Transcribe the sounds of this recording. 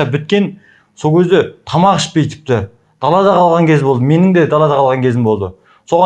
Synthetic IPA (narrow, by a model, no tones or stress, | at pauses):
ɑbʏt̪̚kʲe̞n | solˠkʰʲezd̪et̪ʰɑmɑʁəʃbejt̪ɪ̥p̚t̪ɪ | d̪̥ɑlˠɑd̪ɑqʰɑlˠʁɑŋkʲezɪbo̞lˠd̪əme̞nɪŋd̪ed̪ɑlˠɑd̪ɑqʰɑlˠʁɑŋkʰʲe̞zɪmbo̞lˠd̪ə | so̞ʁɑ